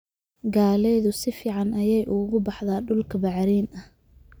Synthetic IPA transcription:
ɡaːlɛjðʊsɪfiːʕɑnʔɐjɛjʔʊɣʊbɑħðaːɖʊlkʰɐbɑʕɾiːnɐh

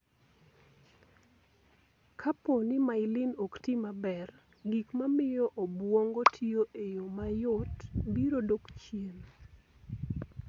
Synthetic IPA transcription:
kʰaponimaɪlɪnoktimabɛr | ɡikmamɪjɔʔobwɔŋɡotʰioʔejomajʊtbiɾodokt͡ʃjen

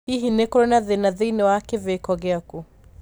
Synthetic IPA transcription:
iɦinekoɾonaðenaðinewakevekɔɣeaku

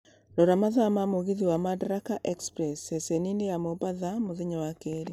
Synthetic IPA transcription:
ɾɔɾamaðamamoɣiðiwamadɾakaʔɛkspɾɛsɛsɛninejamobaðamoðeɲɔwakeɾi

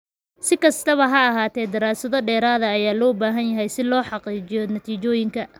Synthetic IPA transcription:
sɪkʰɐst̪ʰɐβɐɦɐɐɦaːt̪ʰɛːd̪ɪɾaːsɐðɔɖɛːɾaːðɐːjaːlɔːbaːɦɐnjɐɦɛjsɪlɔːħɑqiːt͡ʃɪjɔnɐt̪ʰiːt͡ʃɔːjɪŋkʰɐ

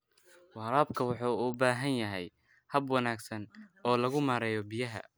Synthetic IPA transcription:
wɑːɾaːbkʰɐwɑħuːʊbaːɦɐnjɐɦɛj | hɐbwɐnaːɡsɐnɔːlɐɣʊmaːɾɛːjɔbijɐɦɐ̰

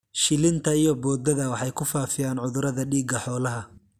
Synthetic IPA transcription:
ʃɪlɪnt̪ʰɐijɔbɔːd̪ɐðɐwɑħɑjkʰʊfaːfɪjaːnʕʊðʊɾɐðɐɖiːɡɐħɔːlɐɦɐ

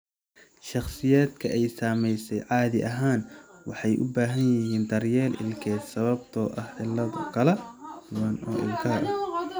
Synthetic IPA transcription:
ʃɑχsɪjaːd̪kʰɐʔɛjsaːmɛjsɛjʕɑːðɪʔɐɦaːnwɑħɑjʔʊ̰baːɦɐnjɪɦiːnt̪ɐrjɛːlʔɪ̰lkʰɛːd̪sɐβɐbt̪ʰɔːʔɐhʕɪlːɐðʊkʰɐlɛdʊwɐnɔ̰ːʔɪ̰lkʰɐʔɐ

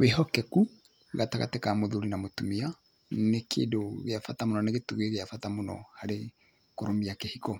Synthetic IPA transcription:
wehɔkɛku | ɣataɣa̰tɛkamoðuɾinamotumia | nekʰḛːdoɣeafatamonɔneɣetuɣeeɣeafatamonɔ̰haɾe | koɾomiakehikɔ

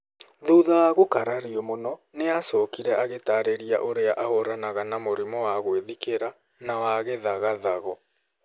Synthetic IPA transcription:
ðuðawaɣokaɾaɾiɔmonɔneasɔkiɾɛʔaɣetaɾeɾiaʔoɾeaʔahoɾanaɣanamoɾimɔwaɣweðikeɾa | nawaɣeðaɣaðaɣɔ

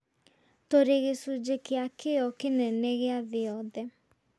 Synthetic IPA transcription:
toɾeɣesud͡ʑekeakʰeɔkenɛnɛɣeaðɪɔðɛ

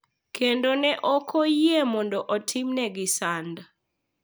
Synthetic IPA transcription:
kʰendonɛʔɔkʰɔjemɔndoʔɔtʰɪmnɛɡɪsanda

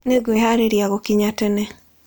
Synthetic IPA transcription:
neɡweɦaɾeɾjaɣɔkiɲatɛnɛ

